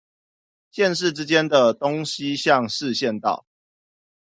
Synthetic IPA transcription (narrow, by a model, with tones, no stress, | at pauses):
ɕjɛ˥˨˧nʂ̬ɻ̩˥˨ʈ͡ʂɻ̩˥˦t͡ɕjɛ˦nd̪ə˨t̪o˦ŋɕi˦ɕjɑ˥˨ŋʂɻ̩˥˨ɕjɛ˥˨nt̪ɑ̰˥˨ʊ